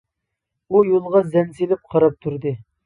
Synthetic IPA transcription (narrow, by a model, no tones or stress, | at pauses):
ujolˠʁɑzɛnsilɪp̚qʰɑɾɑp̚t̪ʰuɾd̪ɨ